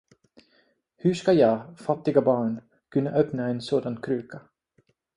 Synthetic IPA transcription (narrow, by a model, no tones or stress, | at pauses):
hʉʂkajɑːfat̪ːɪɡabɑːɳ | kʰʉnːaʔœpnaeːnsoːd̪ankʰɾʉːka